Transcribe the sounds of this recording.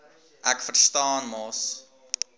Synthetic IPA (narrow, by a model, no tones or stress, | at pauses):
ʔækfərstɑːnmɑs